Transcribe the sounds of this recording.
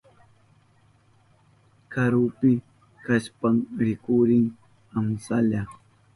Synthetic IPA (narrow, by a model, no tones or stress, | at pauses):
kaɾʊpɪ | kaspamɾɪkʊɾɪŋ | amsaʎa